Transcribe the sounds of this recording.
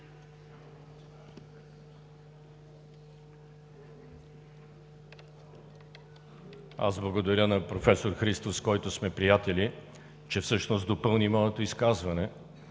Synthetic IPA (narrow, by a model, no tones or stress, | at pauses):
a̰zblˠəɡod̪ɐɾʲənɐpɾofɛsoɾxɾist̪oskɔjt̪ʊsmɛpɾijat̪ɛlʲi | t͡ʃɛfsɤʃnosd̪opɤlˠnimɔɛt̪oiskazvɐnɛ